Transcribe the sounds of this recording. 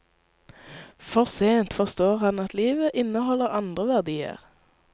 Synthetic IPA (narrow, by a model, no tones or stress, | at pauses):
fɔʁseːnt̪fɔʁst̪oːʁhɑnɑt̪liːʋəʔɪnəhɔləʁɑnd̪ʁəʋæʁd̪iːə̰ʁ